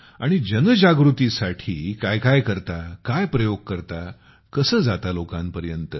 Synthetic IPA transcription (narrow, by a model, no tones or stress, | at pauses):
a̰ɽ̃id͡ʑənəd͡ʑaɡɾut̪isaʈʰiːkajkajkəɾt̪akajpɾəjoɡ̚kəɾt̪a | kəsəːd͡zat̪alokãmpəɾjənt̪ə